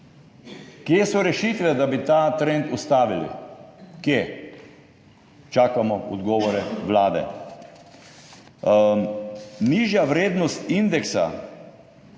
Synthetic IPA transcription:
kjesɔɾɛʃit̪ʋɛd̪abit̪aːt̪ɾent̪ust̪aːʋilḭkje | t͡ʃaːkamɔɔd̪ɡɔːʋɔɾɛʋlaːd̪ɛ̰ | niːʒjaʋɾeːd̪nɔst̪ind̪ɛksa̰

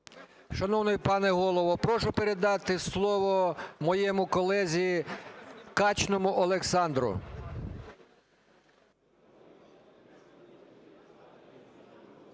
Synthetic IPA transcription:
ʃɐnɔwnɔjpɑnɛɦɔlˠɔʋɔpɾɔʃʊpeɾe̞d̪ɑt̪ɪslˠɔʋɔmɔjɛmʊkɔlˠɛzʲi | kɑt͡ʃnɔmʊʔɔlˠeksɑnd̪ɾʊ̰

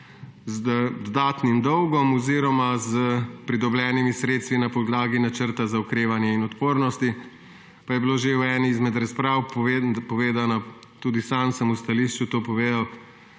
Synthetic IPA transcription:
zd̪d̪aːt̪nimd̪ɔwɡɔmɔziːɾɔmazəpɾid̪ɔblɛːnimisɾeːt̪st̪ʋinapɔd̪laːɡinat͡ʃəɾt̪azaukɾeːʋanjɛinɔt̪poːɾnɔst̪i | pajɛbiloːʒewɛːniːzmɛd̪ɾaspɾaːwpɔʋeːd̪ana | t̪uːd̪isamsəmust̪aliʃt͡ʃut̪oːpɔʋeːd̪aw

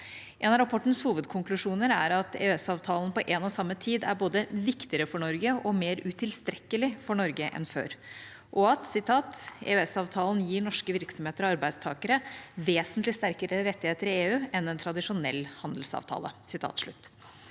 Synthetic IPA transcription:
ʔeːnɑɾɑpʰɔʈːən̩shuːʋəd̪kʰʊŋklʉʂuːnəɾæ̰ɾɑt̪ʰḛʉɛsɑːʋt̪ʰɑːlnpɔʔeːnɔsɑmːət̪ʰiːd̪æ̰ɾboːd̪əʋɪkt̪ɪəɾəfɔɳɔɾɡəʔɔmeːɾʉt̪ʰɪlst̪ɾɛkːəlɪfɔɳɔɾɡəʔɛ̰nfø̰ːɾ | ʔɔɑt̪sɪt̪ʰɑːt̪ḛʉɛsɑːʋt̪ʰɑːln̩jiːɳɔʂkəʋɪɾksɔmeːt̪əɾɔɑɾbæɪd̪st̪ʰɑ̰ːkəɾəʋeːsənt̪lɪst̪æɾkəɾəɾɛt̪ːɪheːt̪əɾɪeːʉːɛnɛnt̪ʰɾɑd̪ɪʂʊnɛ̰lːhɑnd̪l̩sɑ̰ːʋt̪ʰɑ̰ːlə̰sɪt̪ʰɑ̰ːt̪ʂɭʉ̰t̪ː

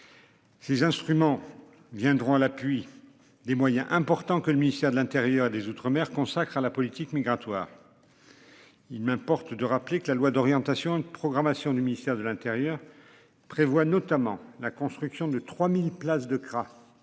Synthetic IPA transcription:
sezɛ̃st̪χymɑ̃ | vjɛ̃d̪ʁɔ̃alapɥi | d̪emwajɛ̃ʔɛ̃pɔʁt̪ɑ̃kələminist̪ɛʁd̪əlɛ̃t̪eʁjœʁed̪ezut̪χəmɛʁkɔ̃sakχalapɔlit̪ikmiɡʁat̪wa̰ːʁ | ilmɛ̃pɔʁt̪d̪əʁaplekəlalwad̪ɔʁjɑ̃t̪asjɔ̃ynd̪əpχɔɡʁamasjɔ̃d̪yminist̪ɛʁd̪əlɛ̃t̪eʁjœʁ | pχevwanɔt̪amɑ̰̃lakɔ̃st̪χyksjɔ̃d̪ət̪χwamilplasd̪əkχa

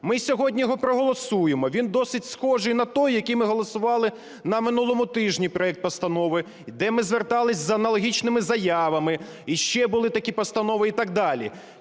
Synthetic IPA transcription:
mɪsʲɔɦɔdʲnʲijɦɔpɾɔɦɔlˠɔsujemɔʋʲind̪ɔsɪtʲsxɔʒɪjnɐt̪ɔjːɐkʲijmɪɦɔlˠɔsʊʋɑlˠɪ | nɐmɪnulˠɔmʊt̪ɪʒnʲipɾɔɛk̚t̪̚pɐst̪ɐnɔʋɪ | d̪ɛmɪzʋert̪ɑlˠɪsʲzɐɐnɐlˠɐɦʲit͡ʃnɪmɪzɐjɑʋɐmɪ | iʃt͡ʃɛbʊlˠɪt̪ɐkʲipɐst̪ɐnɔʋɪit̪ɑɡ̚d̪ɑlʲḭ

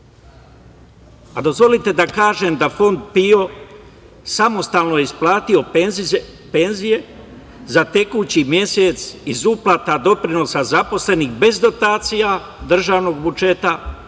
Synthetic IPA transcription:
ad̪o̞zvʋo̞lit̪e̞d̪akaːʒemd̪afo̞nd̪̚pio̞ | samo̞st̪aːlno̞jeisplˠaːt̪io̞ | pe̞nzije̞ | zat̪e̞kut͡ɕimje̞set̪sizuplat̪ad̪o̞pɾino̞sazapo̞sle̞nixbe̞zd̪o̞t̪aːt̪sija | d̪r̩ʒaːʋno̞ɡbud͡ʒe̞t̪a

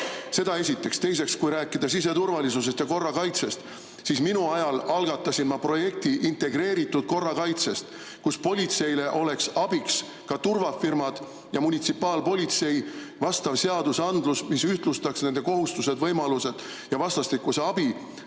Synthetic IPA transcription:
se̞d̪ɑe̞s̬ʲit̪ːˑe̞kst̪e̞js̬e̞kskujɾæːkːˑid̪̥ɑsis̬e̞t̪urvɑlisus̬e̞st̪jɑko̞rːɑkɑjt̪se̞st̪ | sisminuɑjɑlɑlɡ̥ɑt̪ːˑɑsinmɑpro̞je̞k̚t̪iʔint̪e̞ɡɾe̞ːɾit̪ːˑud̪̥̚ko̞rːɑkɑjt̪se̞st̪ | kuspo̞lʲit̪se̞jle̞ʔo̞le̞ksɑb̥iks | kɑt̪urvɑfirmɑd̪̥ | jɑmunʲit̪sipːˑɑːlpo̞lʲit̪se̞jvɑst̪ɑvse̞ɑd̪usɑnd̪lusmisyht̪lust̪ɑksne̞nd̪̥e̞ko̞ɦust̪used̪vɤjmɑluse̞d̪̥ | jɑvɑst̪ɑst̪ikːˑuse̞ɑbi

